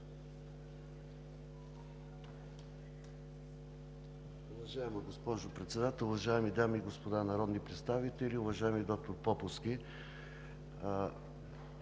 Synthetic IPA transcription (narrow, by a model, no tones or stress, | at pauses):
ʊvɐʒaɛmɐɡospɔʒopɾɛt̪sɛd̪at̪ɛlˠʊvɐʒaɛmid̪amiːɡospod̪anɐɾɔd̪nipɾɛt̪st̪avit̪ɛliʊvɐʒaɛmid̪ɔk̚t̪oɾpɔpʊski